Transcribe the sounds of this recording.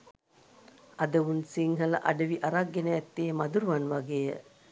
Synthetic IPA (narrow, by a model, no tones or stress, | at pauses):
ɐd̪əʋunsiŋɦɐlɐ̰ʔɐɖɐʋiʔɐɾaɡːenəːt̪ːeːmɐd̪uɾuʋɐnʋɐɡeːə̰